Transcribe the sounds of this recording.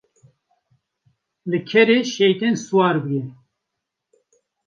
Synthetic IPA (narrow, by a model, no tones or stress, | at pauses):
lɨkʰɛɾeːʃɛjt̪ɛnsuwɑːɾbɨɡɛ